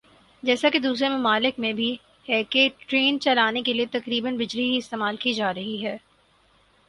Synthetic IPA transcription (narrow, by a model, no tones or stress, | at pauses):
d͡ʒɛːsaked̪uːsɾemʊmaːlɪkmẽbʱi | hɛkeʈɾeːnt͡ʃɐlaːnekeliet̪ɐkɾiːbənbɪd͡ʒliɦiɪst̪eːmaːlkid͡ʒaːɾɐɦiɦɛː